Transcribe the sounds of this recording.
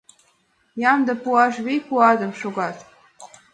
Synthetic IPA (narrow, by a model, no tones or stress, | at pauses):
jɑmd̪ə̆puɑʃβejpuɑd̪ə̆mʃoɣɑt̪